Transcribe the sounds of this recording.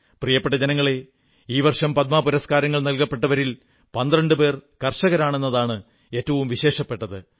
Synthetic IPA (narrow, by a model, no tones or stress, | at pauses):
prijɐpːeʈːɐd͡ʑenɐŋːɐɭe̞ | iːʋɐrʂɐmpɐt̪̚maːpuɾɐskaːɾɐŋːɐɭnɐlkɐpːe̞ʈːɐʋɐɾil | pɐnd̪rɐɳɖɨpe̞ːrkɐrʂɐɣɐɾaːɳe̞nːɐðaːɳɨ | e̞ːtːɐʋumʋiɕe̞ːʂɐpːe̞ʈːɐðɨ